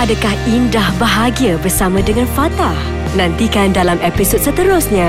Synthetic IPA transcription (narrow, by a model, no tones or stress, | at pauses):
adakahindahbəɦaɡiabərsamãdəŋãnfat̪ah | nãnt̪ikandalamepisot̪̚sət̪əɾʊsɲã